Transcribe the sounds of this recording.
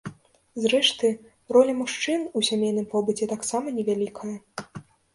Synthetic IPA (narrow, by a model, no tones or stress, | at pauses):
zɾɛʂt̪ɨ | rɔlʲɐmuʂt͡ʂɨnusʲamʲejnɨmpɔbɨt͡sʲɛt̪aksamɐnʲɛvʲalʲikʰɐjɐ